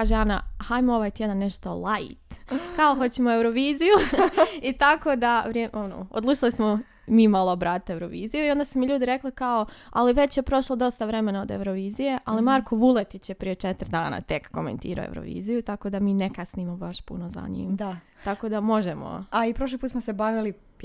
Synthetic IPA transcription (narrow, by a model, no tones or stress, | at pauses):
kaːʒeana̰hajmooʋaːjt̪jed̪anːeʃt̪o̞lˠajt̪kaoɦo̞t͡ɕimoewɾoʋiːzijuit̪ako̞d̪aʋɾeono̰o̰d̪lˠuːt͡ʃilismo | miːmalˠoobɾaːt̪it̪e̞wɾoʋiːzijuio̞nd̪asumiʎuːd̪iɾe̞klikaoaliʋe̞t͡ɕje̞pɾo̞ʃlˠod̪o̞st̪aʋɾe̞me̞naod̪e̞̰wɾoʋiːzije̞ʔalimaɾkoʋulˠet̪it͡ɕjepɾije̞t͡ʃet̪ɾd̪aːna̰t̪e̞kːo̞̰me̞̰nt̪ḭːɾo̰ḛwɾo̰ʋḭːzijut̪ako̞d̪amiːnekasnimobaʃpṵnoza̰ɲḭːmd̪a | t̪ako̞d̪amo̞ʒemo̰aipɾoʃ̬lipuːt̪smosebaʋili